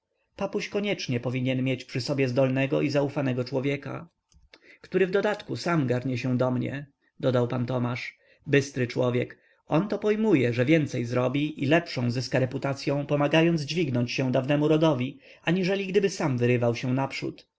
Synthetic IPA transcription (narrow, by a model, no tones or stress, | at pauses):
papuɕkɔɲɛt͡ʂɲɛpɔvʲiɲɛnmʲjɛt͡ɕpʂɘsɔbʲjɛzd̪ɔlnɛɡɔʔizaufanɛɡɔt͡ʂwɔvʲjɛka̰ | kt̪uɾɘvd̪ɔd̪at̪kusamɡaɾɲɛɕɛ̃d̪ɔmɲɛ̰ | d̪ɔd̪awpant̪ɔmaʂ | bɘst̪ɾɘt͡ʂwɔvʲjɛk | ɔnt̪ɔpɔjmujɛʐɛvʲjɛnt̪sɛjzɾɔbʲiʔilɛpʂɔ̃w̃zɘskaɾɛput̪at̪sʲjɔ̃w̃pɔmaɡajɔnd̪zd͡ʑvʲiɡnɔɲt͡ɕɕɛw̃d̪avnɛmuɾɔd̪ɔvʲi | aɲiʐɛlʲiɡd̪ɘbɘsamvɘɾɘvawɕɛ̃napʂṵt̪